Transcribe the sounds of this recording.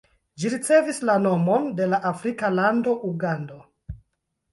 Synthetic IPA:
d͡ʒiɾit͡se̞vislano̞mo̞nde̞laʔafɾikalando̞ʔuɡando̞

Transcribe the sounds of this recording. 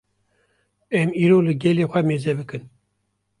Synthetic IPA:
ɛmiːɾoːlɨɡɛleːxʷɛmeːzɛbɨkɨn

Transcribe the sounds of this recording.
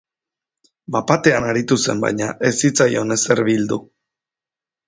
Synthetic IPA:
bapat̪e̞anaɾit̪use̞̰mba̰jɲaʔe̞sit͡sajo̞ne̞se̞ɾβild̪u

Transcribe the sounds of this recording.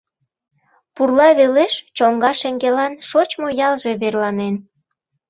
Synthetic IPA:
purlɑβeleʃt͡ɕoŋɡɑʃeŋɡelɑnʃot͡ɕmojɑlʒe̽βerlɑnen

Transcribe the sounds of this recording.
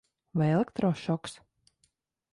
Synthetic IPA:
vajelˠekt̪ɾɔʃɔks

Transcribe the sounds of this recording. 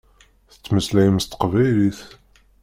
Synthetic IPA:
θə̥t͡sːməslæjəmst̪ə̥qvæjliθ

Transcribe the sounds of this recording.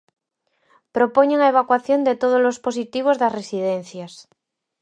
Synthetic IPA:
pɾopoɲeŋaeβ̞akwaθjo̞nd̪et̪oð̞ozlospos̬it̪iβ̞ozðasresið̞ẽnθjas

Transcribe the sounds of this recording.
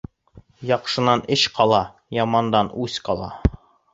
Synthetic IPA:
jɒqʃɤ̆nɑnɘɕqɒlˠɑ | jɒmɑnd̪ɑnʉsqɒlˠɑ̰

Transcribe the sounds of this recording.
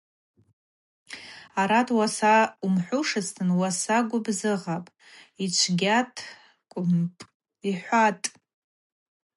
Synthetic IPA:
aɾatʰʼwasaumħʷʊʂɨstʰɨnwasaɡʷʊbzɨʁapʼ | it͡ʃʷʰɡʲatʰʼ | kʷʼʊmpʼ | iħʷatʼ

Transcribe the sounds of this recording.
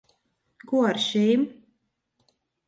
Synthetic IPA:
kuɔaɾʃɛjm

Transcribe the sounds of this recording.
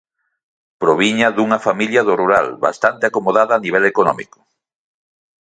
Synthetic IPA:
pɾoβ̞iɲɐðuŋɐfamiljɐðʊruɾa̰lβa̰st̪ant̪eakomoðaðaːniβ̞ɛlekonɔ̰mḭkʊ̥

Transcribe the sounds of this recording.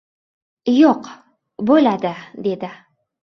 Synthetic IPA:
joq | bɵlad̪ɪd̪e̞d̪ɪ

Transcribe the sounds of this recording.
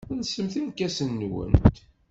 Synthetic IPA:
nsəmθimkːæsənːwə̰nt̪

